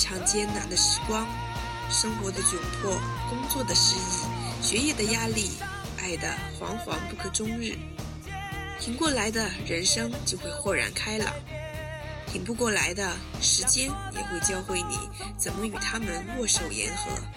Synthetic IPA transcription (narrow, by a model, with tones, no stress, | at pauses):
ʈ͡ʂʰɑ˥˩ŋt͡ɕjɛ˥nna˧˥nd̪ə˧ʂɻ̩˧˥kwɑ˥ŋ | ʂɤ˥ŋxwɔ˧˥d̪ə˧t͡ɕjo˨˩ʊpʰwɔ˥˩kʊ˥ŋt͡swɔ˥˩d̪ə˩ʂɻ̩˥i˥˩ɕɥɛ˧˥jɛ˥˩d̪ə˩ja˥li˥˩ | a˥˩ɪd̪ə̰˩xwɑ̰˧˥ŋxwɑ̰˧˥ŋpu˥˩kʰɤ˨˩ʈ͡ʂʊ˥ŋɻɻ̩˥˩ | t̪ʰi˧˥ŋkwɔ˥˩la˧˥ɪd̪ə˧ɻə˧˥nʂɤ˥ŋt͡ɕjo˥˧ʊxwe˥˧ɪxwɔ˥˩ɻa̰˧˥nkʰa˥ɪlə̰˩ | t̪ʰi˧˩ŋpu˥˧kwɔ˥˩la˧˥ɪd̪ə˧ | ʂɻ̩˧˥t͡ɕjɛ˥njɛ̰˨˩xwe˥˩ɪt͡ɕjɑ˥ʊxwe˥˩ɪnḭ˨˩˦ | t͡sə˨˩nmə˦y˨˩t̪ʰa˥mə˨nwwɔ˥˧ʂo˥˩ʊjɛ̰˧˥nxɤ̰˧˥